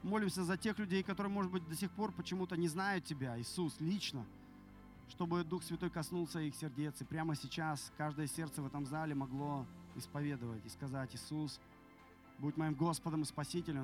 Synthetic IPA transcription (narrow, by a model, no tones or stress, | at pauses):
mo̞lʲɪmsʲəzɐtʲe̞xlʲʉdʲejkɐt̪o̞ɾɨjəmo̞ʐɨd̪̚bɨt̚ʲd̪ɐsʲɪxpo̞rpət͡ɕɪmut̪ənʲɪznajʊt̪̚tʲːɪbʲaɪsuslʲit͡ɕnə | ʂt̪o̞bɨd̪uxsvʲɪt̪o̞jkɐsnulˠsʲəixsʲɪrdʲe̞t̪sɨpɾʲaməsʲɪt͡ɕaskaʐd̪əjəsʲe̞rt̪səvɛt̪əmzalʲɪmɐɡlˠo̞ɪspɐvʲe̞d̪əvətʲɪskɐzatʲɪsus | buɪtʲmɐjimɡo̞spəd̪əmɨspɐsʲitʲɪlʲə